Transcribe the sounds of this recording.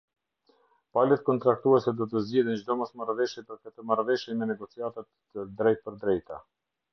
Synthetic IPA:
palɛt̪kɔnt̪ɾakt̪uɛsɛd̪ɔt̪əzd͡ʑɛðind͡ʑd̪ɔmɔsmarvɛʃjɛpəɾkət̪əmarvɛʃɛmɛnɛɡɔt͡siat̪ət̪ | əd̪ɾɛjt̪̚pəɾd̪ɾɛjt̪a

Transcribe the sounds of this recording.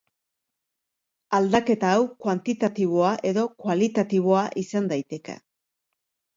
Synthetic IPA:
ald̪ake̞t̪aːwkwant̪it̪at̪iβ̞o̞aʔe̞ðo̞kwalit̪at̪iβ̞oaʔisand̪ajt̪e̞ke̞̰

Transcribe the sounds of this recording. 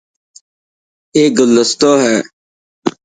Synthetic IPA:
eːɡʊlːəst̪oːɦɛː

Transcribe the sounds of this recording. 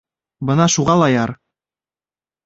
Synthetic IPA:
bɤnɑʃuʁɑlˠɑjɑɾ

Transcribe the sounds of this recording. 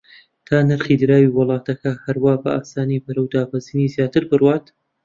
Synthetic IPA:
t̪ʰaːnɨɾχid̪ɨɾaːwiwɨlˠɑːt̪ɐkɐhɐɾwaːbɐʔaːsaːnibɐɾɐwd̪aːbɐziniːzjaːt̪ɨɾbɨrwaːt̪

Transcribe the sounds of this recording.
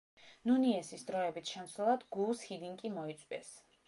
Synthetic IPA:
nuniɛsisd̪ɾɔɛbit̪ʰʃɛnsulˠad̪ɡulˠshid̪iŋkʼimɔit̪sʼwɛ̰s

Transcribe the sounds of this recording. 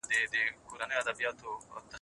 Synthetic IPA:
d̪ed̪ekuɾaneɐd̪ɐbijaːt̪oɐ̰t̪ːɐ

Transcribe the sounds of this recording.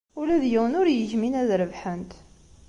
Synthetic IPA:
ulæðjiwənʊɾjəçminæðɾəvħənt̪

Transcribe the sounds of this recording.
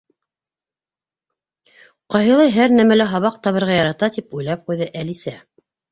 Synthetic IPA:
qɑjɦɤ̆lˠɑjɦæɾnæmælæɦɑβɑq̚t̪ɑβɤ̆ɾʁɑjɑɾɑt̪ɑt̪ipujlˠɑp̚qujðɤʔælisæ

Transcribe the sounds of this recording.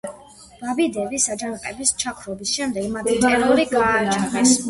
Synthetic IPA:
v̥abid̪ɛbisad͡ʒanqʼɛ̰bist͡ʃʰakʰɾɔbisʃɛmd̪ɛɡmat̪ʰit̪ʼɛɾɔɾiɡaːt͡ʃʰaχɛs

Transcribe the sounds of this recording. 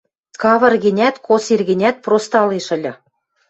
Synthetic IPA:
kɑvɤ̆rɡɘ̆nʲæt̪kosirɣɘ̆nʲæt̪̚prost̪ɑlˠeʃɘ̆lʲɤ̆

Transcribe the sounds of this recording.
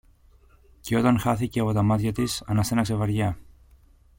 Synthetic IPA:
ceo̞t̪ɐnxɐθiceɐpo̞t̪ɐmɐt̪çɐt̪isɐnɐsenɐkse̞vɐɾʝɐ

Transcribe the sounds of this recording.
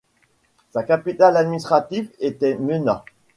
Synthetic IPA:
sakapit̪alad̪minist̪χat̪ivet̪ɛmənã

